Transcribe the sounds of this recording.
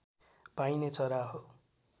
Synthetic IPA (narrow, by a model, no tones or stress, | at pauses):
pajnet͡sʌɾaɦo